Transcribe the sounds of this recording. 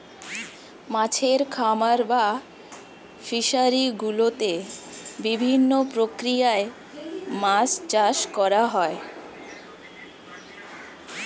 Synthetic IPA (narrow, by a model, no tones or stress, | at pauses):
mãt͡ɕʰeɾkʰamaɾba | fiʃaɾiɡulot̪ebibʱinːopɾokɾijae | mast͡ɕaʃkɔɾaɦɔe